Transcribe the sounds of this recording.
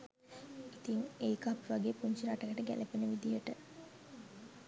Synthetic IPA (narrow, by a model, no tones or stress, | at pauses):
it̪iŋejkapʋaɡeːpuɲt͡ʃiɾaʈəkəʈəɡæ̰lʔepenəʋid̪ijəʈə